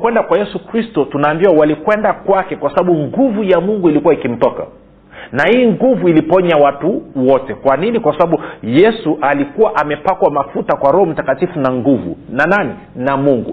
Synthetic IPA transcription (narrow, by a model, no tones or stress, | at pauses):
kwɛndakwajɛsukɾistɔtunaːmbiwawalikwɛndakwakɛkwasaɓaɓuŋɡuvujamuŋɡuilikuwaikim̩tɔka̰ | nahiːŋɡuvuilipɔɲawatuwɔtɛkwaninikwasaɓaɓujɛsuʔalikuwaʔamɛpakwamafutakwaɾɔhɔm̩takatifunaŋɡuvṵnanani | namuŋɡṵ